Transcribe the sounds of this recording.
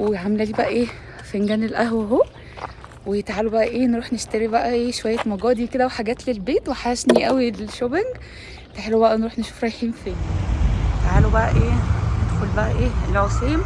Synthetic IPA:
weʕamelæliːbæʔæʔeː | feŋɡæːnelʔæhweɦoː | wejet̪ʕalobæʔæʔeːnɾuːħneʃt̪æɾibæʔæʔeːʃowæjːæmɑɡɑːd̪iked̪æweħaɡæːt̪lelbeːt̪weħaʃniʔæwilʃobeŋɡ | t̪eħelobæʔænɾuːħneʃu̥ːfɾˤɑjħiːnfeːnjet̪ʕalobæʔæʔeːned̪xolbæʔæʔeːelːʕosiːm

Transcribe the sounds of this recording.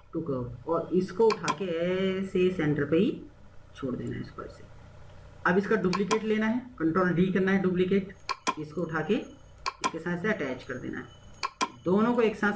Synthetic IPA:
ʈʊkɐoɔːɾɪskoʊʈʰaːkeɛːsesɛ̃ːɳʈəɾpeɦi | t͡ʃʰoːɽd̪ḛːna̰ɦɛ̰ɪsko̰se̥ | ɐbɪskaɖuːplikeːʈleːnaɦɛːkɐ̃ɳʈɾoːlɖiːkɐɾnaɦɛɖuːp̬likeːʈɪskoʊʈʰaːke | ɪskesãːseɐʈɛːt͡ʃkɐɾd̪ḛːnʔa̰ɦɛː | d̪oːnõkoeːksãː

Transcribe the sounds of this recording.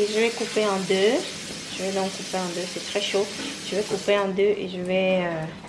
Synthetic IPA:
eʒəvɛkupeɑ̃d̪ø | ʒ̥əvɛd̪ɔ̃kːupeɑ̃d̪øsɛt̪χɛʃo | ʒ̥əvɛkupeɑ̃d̪øʔḛʒəvɛø

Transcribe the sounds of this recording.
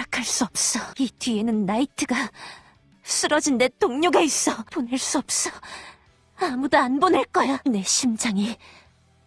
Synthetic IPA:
akʰaɭs͈uʌp̚s͈ʌitɥie̞nɯnːaitʰɯɡa | s͈ɯɾʌd͡ʑinde̞t͈oŋɲoɡais͈ʌponeɭs͈uʌp̚s͈ʌ | amudoanboneɭk͈ʌjane̞ɕʰimd͡ʑaŋi

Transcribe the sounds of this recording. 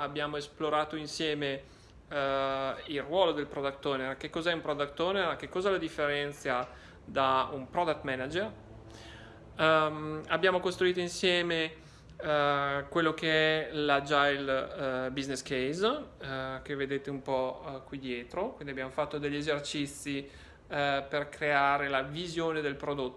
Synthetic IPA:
abːjaːmoesploɾaːt̪oinsjɛːme | ilrwɔːlod̪elpɾɔd̪akt̪ɔːnerkekːɔzɛumpɾɔd̪ak̚t̪ːɔːnerk̟ekːɔːzalod̪ifːeɾɛnt̪sja | d̪aumpɾɔd̪ak̚t̪mɛnad͡ʒer | mabːjaːmokost̪ɾuiːt̪oinsjɛːme | kwelːok̟eɛlad͡ʒajlbizneskejz | kevːed̪eːt̪eumpɔkwid̪jɛːt̪ɾokwind̪iabjaːmofat̪ːod̪eʎːezert͡ʃit̪sːi | perkɾeaːɾelavizjoːned̪elpɾod̪ot̪ː

